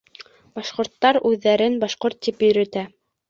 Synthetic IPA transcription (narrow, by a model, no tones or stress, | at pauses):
bɑʃqŏɾt̪ːɑɾʉðːæɾɘnbɑʃqoɾt̪ːipjɵ̆ɾæ̆t̪æ